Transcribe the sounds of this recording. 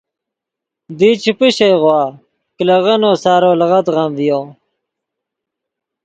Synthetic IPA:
d̪iːt͡ɕʰipiɕejʁwaː | klɐʁɐnoːsaːɾoːlɐʁɐt̪ʁɐmvijoː

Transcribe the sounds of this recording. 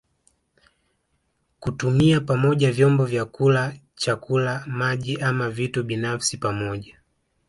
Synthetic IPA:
kutumiapamɔʄavjɔmbɔvjakula | t͡ʃakʰulamaʄiʔamavituɓinafsipamɔʄa

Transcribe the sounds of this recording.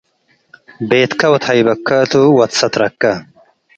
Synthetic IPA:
beːt̪kʰɐwɐt̪hɐjbɐkʰːɐːt̪uwɐt̪sɐt̪ɾɐkːɐ

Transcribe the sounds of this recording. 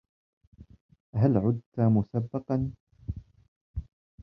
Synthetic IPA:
ʔaɦalʕʊd̪̚t̪amʊsabːɑqɑn

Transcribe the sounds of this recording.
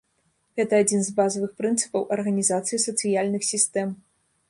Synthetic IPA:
ɣɛt̪ɐad͡zʲinzbazɐvɨxpɾɨnt̪sɨ̥pɐwʔɐrɣɐnʲizat̪sɨjisɐt̪sɨjalʲnɨxsʲist̪ɛm

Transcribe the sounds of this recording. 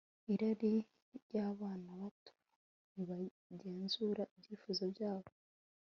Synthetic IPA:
iɾaɾi | ɾjaːβaːnaβatu̥ | niβa | ɟe̞ːnzuːɾaibɟiːfuzabjaːɾo

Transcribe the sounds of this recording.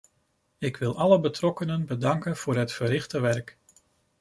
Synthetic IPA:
ɪkʋɪlˠɑləbətrɔkənənbədɑŋkənv̥ʊːɹɦətfəɾɪχtəʋɛrk

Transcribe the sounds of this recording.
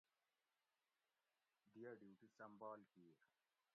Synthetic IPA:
d̪eəɖjuːʈusə̃mbɔːlkiːɾ

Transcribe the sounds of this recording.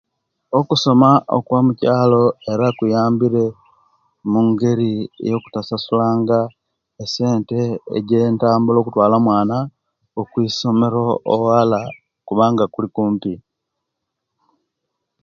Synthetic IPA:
o̞kuso̞maʔo̰kwamucaːlo̞e̞ɾakujaːmbiɾe̞ | muŋɡe̞ɾḭjo̞ku̥tasasulaːŋɡa | ese̞ːnte̞ḛɟe̞ːntaːmbulo̞ːkutwaːlamwaːna | okwiːso̞me̞ɾooala | kuβaːŋɡakulikuːmpi

